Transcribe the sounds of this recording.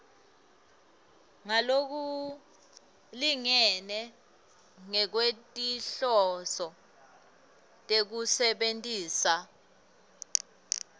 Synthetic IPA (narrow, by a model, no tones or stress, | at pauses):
ŋalok̬u | liŋɛnɛ | ŋɛk̬wetʼiɬɔsɔ | tʼek̬usɛɓentʼiːsa